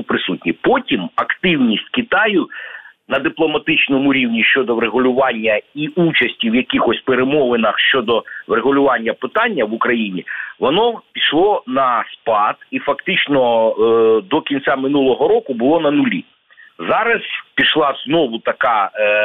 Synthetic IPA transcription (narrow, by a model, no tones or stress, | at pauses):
pɾɪsut̚ʲnʲipɔtʲimɐkt̪ɪwnʲisʲtʲkʲɪt̪ɑjʊnɐd̪ɪplˠɔmɐt̪ɪt͡ʃnɔmʊɾʲiwnʲiʃt͡ʃɔd̪ɔʋɾeɦʊlʲʊʋɑnʲːɐiut͡ʃɐsʲtʲiwjɐkʲixɔsʲpeɾemɔʋɪnɐxʃt͡ʃɔd̪ɔʋɾeɦʊlʲʊʋɑnʲːɐpɪt̪ɑnʲːɐʋʊkɾɐjinʲiʋɔnɔpʲiʃlˠɔnɐspɑd̪̥ifɐkt̪ɪt͡ʃnɔ | d̪ɔkʲinʲt͡sʲamɪnulˠɔɦɔɾɔkʊbʊlˠɔnɐnʊlʲḭ | zɑɾɐzpʲiʃlˠɑznɔʋʊt̪ɐkɑ